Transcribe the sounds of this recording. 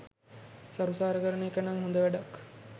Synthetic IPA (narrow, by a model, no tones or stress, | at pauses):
saɾusaːɾəkəɾəneːkɐnaŋɦund̪əʋæɖak